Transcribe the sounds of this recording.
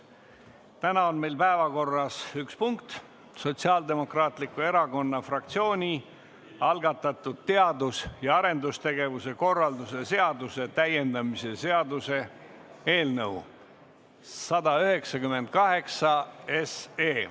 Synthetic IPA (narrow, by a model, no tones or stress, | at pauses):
t̪ænɑonme̞jlpæevɑko̞rːɑsykspuŋk̚t̪ | so̞t̪siɑːld̪e̞mo̞krɑːt̪ˑlikːˑue̞ɾɑko̞nːɑfrɑk̚t̪sio̞ːnʲi | ɑlɡɑt̪ːˑɑt̪ːˑud̪̥̚t̪e̞ɑd̪usjɑɑɾe̞nd̪ust̪e̞ɡe̞vuse̞ko̞rːɑld̪use̞se̞ɑd̪use̞t̪æje̞nd̪ɑmise̞se̞ɑd̪use̞ | e̞ːlnɤw | sɑd̪ɑyhe̞ksɑkyme̞nd̪̥̚kɑɦe̞ksɑeseː